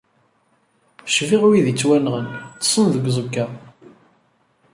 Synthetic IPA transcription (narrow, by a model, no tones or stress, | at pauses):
ʃviʁwiðit͡sːwænʁənt͡sːə̥sˤənðəɡʷzˤukːæ